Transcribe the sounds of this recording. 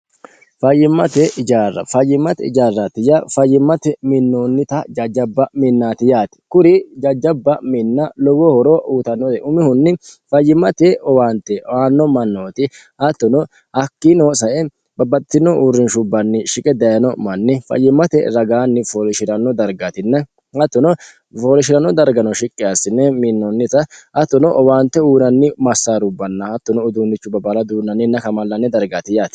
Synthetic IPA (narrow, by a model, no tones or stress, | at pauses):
fɐjːɪmːɐt̪ɛʔɪd͡ʒaːrːɐ̰fɐjːɪmːɐt̪ɛɪ̰d͡ʒaːrːɐt̪ɪjafɐjːɪmːɐt̪ɛmɪnːoːnːɪt̪ɐd͡ʒɐd͡ʒɐbːɐmɪnːaːt̪ɪjaːt̪ɪ̥kʊɾɪd͡ʒɐd͡ʒːɐbːɐmɪnːɐlɔɡɔhɔɾoːʔuːt̪ɐnːɔt̪ɛʔʊmɪhʊnːɪfɐjːɪmːɐt̪ɛʔɔwaːnt̪ɛwaːnːɔmɐnːoːt̪ɪhɐt̪ːɔnɔ | hɐkːinoːsɐʔɛ | bɐbɐt̪ːɪnɔʔurːɪnʃʊbːɐnːɪʃɪkʼɛd̪ɐjɐnɔmɐnːɪfɐ̰jːɪmɐt̪ɛ̰ɾɐɡaːnːɪfɔlɪʃɪɾɐnːɔd̪ɐɾɡat̪ɪnːɐ | hɐt̪ːɔnɔ | fɔlɪʃ̬ɪɾɐnːɔd̪ɐɾɡɐnɔʃɪkʼːɪasːɪnːɛminːɔnːɪt̪ɐʔɐt̪ːɔnɔʔɔwaːnt̪ːɛuːnɐnːɪmɐsːaːɾʊbːɐnːɐhɐt̪ːɔnɔːd̪uːnːɪt͡ʃːʊbɐbɐlɐd̪uːnːɐnːɪnːɐkɐmɐlːɐnːɛd̪ɐɾɡaːt̪ɪjaːt̪ɪ̥